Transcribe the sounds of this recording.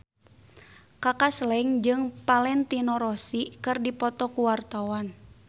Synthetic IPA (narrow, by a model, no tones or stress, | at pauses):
kakaslɛŋd͡ʒɨŋpalɛnt̪inɔɾɔsikɨrdipɔt̪ɔkuwart̪awan